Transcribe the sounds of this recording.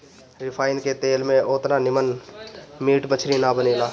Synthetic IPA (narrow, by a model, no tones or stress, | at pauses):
ɾɪpʰaːɪnket̪eːlmẽoːt̪nanɪmən | miːʈbət͡ʃʰɾinabəneːlaː